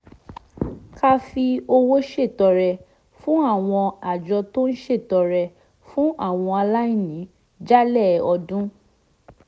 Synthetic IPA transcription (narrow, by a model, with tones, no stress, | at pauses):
ka˦fi˧o˧wo˦ʃe˦˨tɔ˧ɾɛ˧ | fũ˦a˦˨w̃ɔ̃˧a˨d͡ʒɔ˧to˦n̩˦ʃe˦˨tɔ˧ɾɛ˧ | fũ˦ʔa˦˨w̃ɔ̃˧a˧la˦ĩ˦˨nĩ˨˦ | d͡ʒa˦lɛ˦˨ɔ˧dũ˦